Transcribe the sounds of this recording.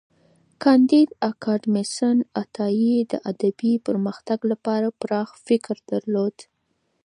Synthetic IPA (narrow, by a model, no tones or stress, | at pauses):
kɑnd̪id̪akʰɑɖmɪsənat̪ɑjid̪ə̰ʔad̪abipəɾməxt̪aɡlapɑɾapɾɑxfɪkɾd̪̥aɾlod̪̥